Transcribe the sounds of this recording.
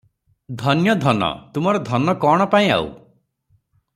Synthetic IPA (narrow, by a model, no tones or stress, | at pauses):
d̪ʱɔnjɔd̪ʱɔnɔ̰t̪umɔɾɔd̪ʱɔnɔkɔɽ̃ɔpaĩa̰ṵ